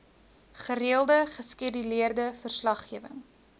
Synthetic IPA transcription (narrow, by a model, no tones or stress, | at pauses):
χəɾiəlˠdəχəskiədiliərdəfərslɐχːiəvəŋ